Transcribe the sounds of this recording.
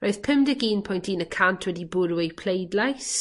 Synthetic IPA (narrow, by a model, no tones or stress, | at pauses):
rojðpʰəmdəɡiːnpʰɔjntʰiːnəkʰantʰwɛdibʊɾwɪpʰl̥ejdlajs